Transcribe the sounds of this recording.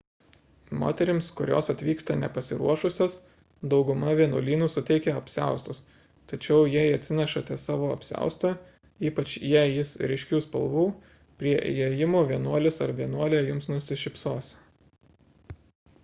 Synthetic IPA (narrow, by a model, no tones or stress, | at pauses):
mo̰ːt̪ʲɛɾʲɪmskʊɾʲo̰ːsɐt̪ʲʋʲiːkst̪ɐnʲɛpɐsʲɪɾuɔʃʊsʲoːs | d̪ɒʊɡʊmɐʋʲiɛnṵːlʲiːnuːsʊt̪ʲɛɪkʲɛɐpʲsʲæ̰ˑʊst̪ʊs | t̪ɐt͡ʃʲɛʊjiɛɪɐt̪ʲsʲɪnʲɛʃɐt̪ʲɛsɑːʋoːɐpʲsʲæ̰ˑʊst̪ɐ | iːpɐt͡ʃjiɛjɪsɾʲɛɪʃʲkʲuːspɐlˠʋuː | pʲɾʲiɛjɛjɪmoːʋʲiɛnuɔlʲɪsɐɾʋʲiɛnuɔlʲejʊmsnʊsʲɪʃʲɪpsoːsʲ